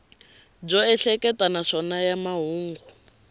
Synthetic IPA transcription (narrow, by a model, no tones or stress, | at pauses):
b͡ʐɔɛɬɛkɛtanaʂɔnajamaɦuːŋɡu